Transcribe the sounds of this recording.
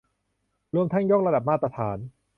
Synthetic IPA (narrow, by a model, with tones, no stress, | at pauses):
ɾu˥˧əmt̪ʰa˥˩ŋjoː˥˩k̚ɾa˧da˨˩p̚maː˥˩t̪ːɾa˧t̪ʰaː˩˦n